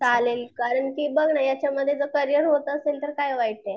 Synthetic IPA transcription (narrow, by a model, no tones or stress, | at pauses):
t͡salelkaɾəɳkiːbəɡʱɳajat͡ɕjaməd̪ʱːjed͡zəkəɾijəɾɦot̪əːselt̪əɾkajʋajʈ̪e